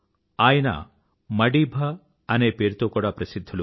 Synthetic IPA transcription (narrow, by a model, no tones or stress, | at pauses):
ajna̰ | mɐɖibʱaː | nepeɾt̪okɔɽapɾɐsid̪ʱːɔlu